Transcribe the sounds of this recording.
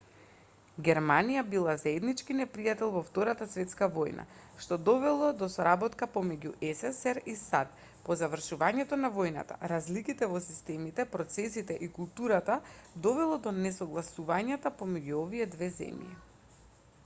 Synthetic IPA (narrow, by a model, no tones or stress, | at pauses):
ɡʲɛɾmanijabilˠazaɛd̪nit͡ʃkinɛpɾijat̪ɛlˠvɔft̪ɔɾat̪asvɛt̪skavojnʔa̰ʃt̪ɔd̪ɔvɛlˠɔd̪ɔsɔɾabɔt̪kapomɛɟṵʔɛsɛsɛɾisat̪̚ | pɔzavr̩ʃuvaɲɛt̪ɔnavojna̰t̪a̰ɾazlikit̪ɛvɔsist̪ɛmit̪ɛpɾɔt̪sɛsit̪ɛʔikulˠt̪uɾat̪ad̪ɔvɛlˠɔd̪ɔnɛsɔɡlˠasuvaɲat̪apomɛɟuoviɛd̪vɛzɛ̰mjḭ